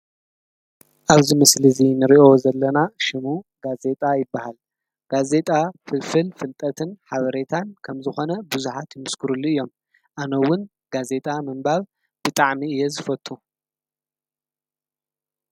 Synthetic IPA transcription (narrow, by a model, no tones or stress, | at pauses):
ʔaβzimɐslizinɨɾiʔo̞zɐlːɐnaʃɪmuɡ̥aze̞t̪ʼajɪbːahal | ɡ̥aze̞t̪ʼafɨlfɨlfɨlt̪ʼɐt̪ʰɨnħaβɐɾe̞t̪ʰankʰɐmzɨxo̞nɐbuzuħat̪jɪmɨskʰɨɾulːuɨjːo̞m | ʔanɐwːʊn | ɡaze̞t̪ʼamɐmbaβ | b̥ɨt̪ʼaʕmiɨjːɛzɨfɐt̪ʼːu